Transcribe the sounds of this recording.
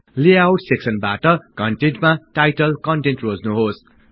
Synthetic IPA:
leawʈseksʌnba̰ʈʌkʌɳʈeɳʈmaʈajʈʌlkʌɳʈẽnʈrod͡znuɦos

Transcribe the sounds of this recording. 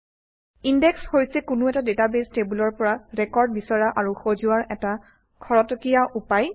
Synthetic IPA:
indɛkshojsɛkʊnʊɛtadetabestebulɔɹpɔɹaɹɛkɔɹd̚bisɔɹaʔaɹuxozuaɹɛta | kʰɔɹɔtɔkijaʔupaj

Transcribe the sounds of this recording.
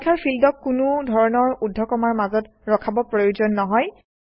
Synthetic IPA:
kʰaɹpʰildɔkːunʊdʱɔɹɔnɔɹudʱːɔkɔmaɹmazɔt | ɹɔkʰabɔpɹojuzɔnːɔɦɔj

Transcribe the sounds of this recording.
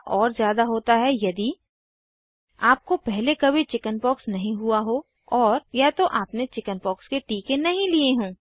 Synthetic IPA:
ʔɔːɾzjaːd̪aɦoːt̪aɦɛjɐd̪i | aːp̚kopɛɦlekɐbʱit͡ʃɪkənpɔːksnɐɦĩɦʊaɦo | ɔːɾjat̪oʔaːpnet͡ʃɪkənpɔːkskeʈiːkenɐɦĩlieɦũː

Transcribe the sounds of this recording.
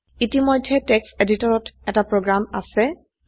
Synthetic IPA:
itimɔjdʱːɛtɛkseditɔɹɔtɛtapɹoɡɹama̰sɛ

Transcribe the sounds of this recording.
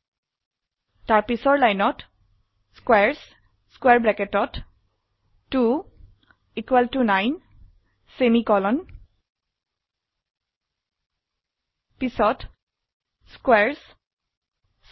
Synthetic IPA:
taɹpisɔɹlajnɔt | skwɛɹs | skwɛɹbɹɛkɛtɔt | tu | ikwɛltunajn | semikɔlɔn | pisɔt | skwɛɹs | s

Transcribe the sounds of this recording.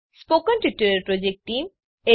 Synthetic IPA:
spokənʈiʈːuɾɐɾpɾɔd͡ʑek̚ʈʈːim | e

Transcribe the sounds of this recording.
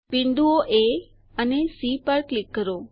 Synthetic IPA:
piɳɖ̪uoʔe | ənesipaɾklɪkːəɾo

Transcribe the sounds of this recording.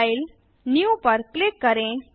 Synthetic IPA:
il | njupəɾklekːəɾẽ

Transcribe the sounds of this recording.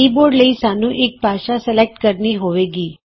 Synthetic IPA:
iboɾɖləisanũʔek̚paʃasɛlek̚ʈkəɾniɦoʋeɡi

